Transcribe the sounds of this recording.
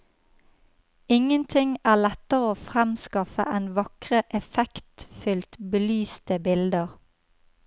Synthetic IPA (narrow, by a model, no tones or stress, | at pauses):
ɪŋənt̪ʰɪŋæːlɛt̪əʁəoːfʁɛmskɑfə̰ʔeːnʋɑkʁəʔɛfɛkt̪fʏlt̪bəlyːst̪əbɪld̪əʁ